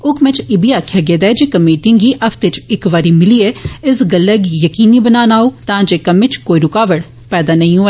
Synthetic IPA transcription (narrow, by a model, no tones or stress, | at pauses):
ʊkʰmɛ̃t͡ʃɪbʱiaːkʰjaɡeːd̪ɛːd͡ʒekɐmeːʈɪ̃ŋiʔɐfʰt̪et͡ʃɪkʋaːɾimɪlieɪsɡələɡjəkiːnibənaːnaːuːt̪ãːd͡ʒeːkɐmɪ̃t͡ʃkoːiɾʊkaːʋəɽ | pɛːd̪anɐɦĩɦuɛ